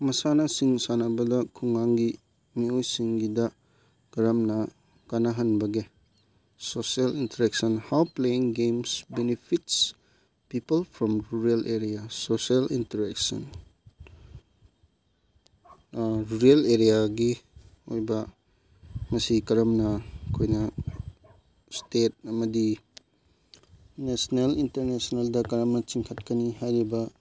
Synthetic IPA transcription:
mɐsanɐsiŋsanɐbɐdɐkʰuŋːaŋɡi | miojsiŋɡidɐ | kɐɾɐmnɐ | kanɐɦɐnbɐɡe | sosielintɐɾek̚sɐnhawpleiŋɡemsbenipʰits | pipɐlpʰɾɔmɾuɾɐlʔeɾijasoselintɐɾeksɐ̰n | ɾuɾieleɾijaɡi | ojbɐ | mɐsikɐɾɐmnɐkʰojnɐ | stet̚ɐmɐdi | nesonelintɐɾnesoneldɐkɐɾɐmnɐt͡ʃiŋkʰɐt̚kɐnihajɾibɐ

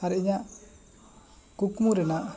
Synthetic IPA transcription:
aɾɛɲa | kukmuɾɛna

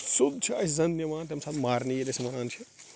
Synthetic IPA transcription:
sud̪t͡ʃʰiɐszɐ̃nd̪niʋaːnt̪ʲemsaːt̪ʰmaːɾnijelɐsmɐɾaːnt͡ʃʰi

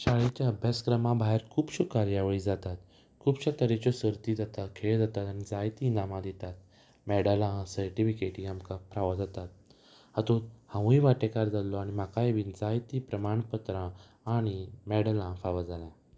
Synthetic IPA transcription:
ɕaɭet͡ɕjaəbʱjaskɾəmãbʱaɦeɾkʰuːbɕukaɾjaʋəɭiːd͡zat̪at̪ | kʰuːbɕat̪əɾet͡ɕɔsəɾt̪id͡zat̪akʰeɭd͡zat̪at̪añid͡zajt̪iːnamãd̪et̪at̪̚ | mɛɽalãsəɾʈifikeʈĩamkapɾaʋad͡zat̪at̪̚ | hat̪ot̪hãwĩʋaʈekaɾd͡zalɔaɽ̃imakaeʋind͡zajt̪ipɾəmaɳpət̪ɾãː | ɽ̃imɛɽəlãfaʋad͡zalã

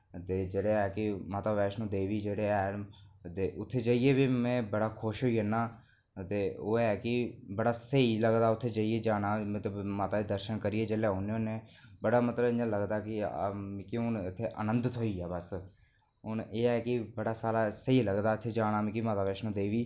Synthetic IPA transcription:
t̪eːd͡ʒeːɽeːɛːkɪmaːt̪aːʋɛːʃnũːd̪eːʋiːd͡ʒeːɽeːɛːt̪eːʔʊt̪ʰːeːd͡ʒaːieːbiːmɛ̃ːbəɽaːkʰʊʃɦoːiːənaː | t̪eːoːɛːkɪbəɽaːsəiːləɡd̪aːʊt̪ʰːeːd͡ʒaːieːd͡ʒaːɽaːmət̪ləbmaːt̪aːiːd̪əɾʃənkəɾɪeːd͡ʒeːlɛːɦoneːʊnẽːbəɽaːmət̪ləbɪ̃nd͡ʒãːləɡd̪aːkɪmːkiʊnɪt̪ʰːeːʔə̰nə̃nd̪ət̪ɦoːiːɛːbəs | ʊneːɛːkɪbəɽaːsaːlaːsəiləɡd̪aːɪt̪ʰːeːd͡ʒaːɽaːmẽkimaːt̪aːʋɛːʃnũːd̪eːʋiː

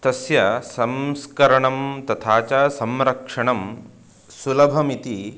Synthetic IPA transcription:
t̪ɐsjɐsɐmskɐɾɐɳɐmt̪ɐt̪ʰaːt͡ʃasɐmɾɐkʂɐɳɐm | sulɐbʱɐmit̪i

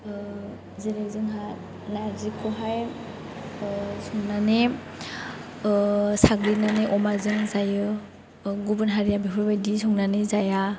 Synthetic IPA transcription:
ziɾakzɯŋɦa | naɾzikʰɔɦaj | sɔŋnane | saɡɾinaneʔɔmazɯŋzajɯ | ɡubɯnɦaɾijabipʰɯɾbajdisɔŋnanɯzaja

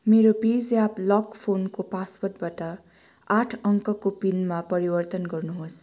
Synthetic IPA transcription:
meɾobid͡zjaplʌkpʰonkopaspʌt̪̚bʌʈʌ | aʈʰʌŋkʌkopinmapʌɾibʌrt̪ʌnɡʌrnuɦos

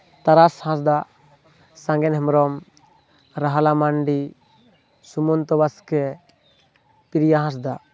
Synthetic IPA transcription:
t̪aɾashãs̬d̪a | sãŋɡɛnɦɛmɾɔm | ɾaɦalamaɳɖi | sumɔnt̪ɔbaskɛ | piɾjaɦãs̬d̪a

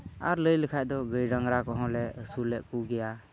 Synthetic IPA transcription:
aɾləjləkʰaj̚d̪ɔɡəjɾaŋɾakɔɦɔ̃lɛəsulɛʔkuɡɛja

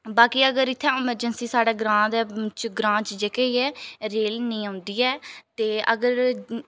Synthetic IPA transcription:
baːkiːəɡəɾɪt̪ʰːɛːɪməɾd͡ʒənsiːsaːɽeːɡɾãːd̪ɛːt͡ʃɡɾãːt͡ʃd͡ʒekeiːɛːɾeːlnəĩːãːnd̪iːɛːt̪eːəɡəɾ

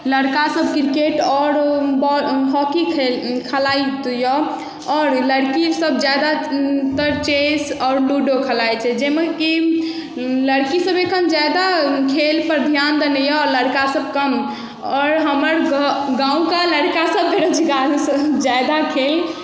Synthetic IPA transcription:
ləɽkasəb̚kɾkeʈɔɾbɔɦɔkikʰkʰəlajt̪jɔ | ɔːɾləɽkisəb̚d͡ʒad̪at̪əɾt͡ʃesɔːɾɖuɖokʰəlajt͡ʃʰɛd͡ʒemeki | ləɽkisəbekʰənd͡ʒad̪akʰelpəɾd̪ʱjand̪ənɛjɔɾləɽkasəb̚kəm | ɔːɾɦəməɾɡãũkaləɽkasəb̚ːeɾət͡ʃʰiɡalsd͡ʒajd̪akʰel

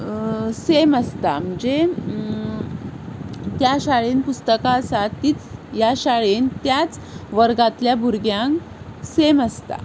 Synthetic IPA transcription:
seməst̪am̤əɳd͡ze | t̪jaɕaɭenpust̪əkaːsat̪ːiːt͡sjaɕaɭent̪jat͡s | ʋəɾɡat̪ljabʱuɾɡjãŋk | seməst̪a̰

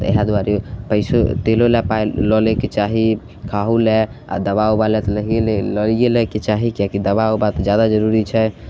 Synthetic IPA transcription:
ḛɦad̪aɾepəɪsot̪elolɛpajlɔleket͡ʃaɦi | kʰaɦulɛ | a̰d̪əbaobalɛt̪ləɦelləlijelɛket͡ʃaɦikjakid̪əbaobat̪d͡ʒjad̪ad͡ʒəɾuɾit͡ʃʰɛ

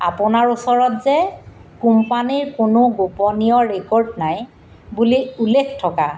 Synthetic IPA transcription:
a̰pʊnaɹusɔɹɔtzɛkumpaniɹkʊnʊɡopɔnijɔɹekɔɹdnaj | buliulekʰtʰɔka̰

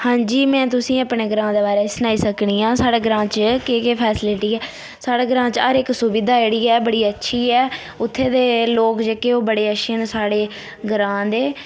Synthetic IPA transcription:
hãːɲd͡ʒiːmɛ̃ːt̪ʊsĩːəpɳeːɡəɾãːd̪eːbaːɾeːsənaːiːsəkɳiːãːsaːɽeːɡɾãːt͡ʃkɪkepʰɛːsɪlɪʈiːɛː | saːɽeːɡəɾãːt͡ʃəɾɪksʊbɪd̪aːeɽiːɛːbəɽiːətːʃʰiːɛː | ʊt̪ʰːeːd̪eːloːkd͡ʒeːkeːoːbəɽeːəʃinsaːɽeː | ɡɾãːd̪eː

